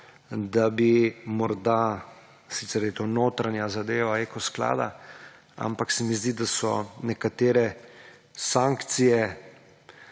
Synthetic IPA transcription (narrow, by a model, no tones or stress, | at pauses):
d̪abimɔɾd̪a | sit̪sɛɾjɛt̪onoːt̪ɾanjazad̪eːʋaeːkɔskla̰ːd̪a̰ | a̰mpaksɛmizd̪id̪asɔ̰nɛkat̪eːɾɛ | saŋkt̪sijɛ